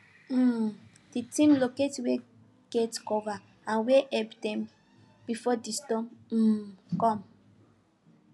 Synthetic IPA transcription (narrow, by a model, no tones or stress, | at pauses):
d̥itĩmloketwe | ɡ̥ɛtkɔva | ãnweʔɛbdɛ̃m | b̥ifɔdistɔ̃m̩ | kɔ̃m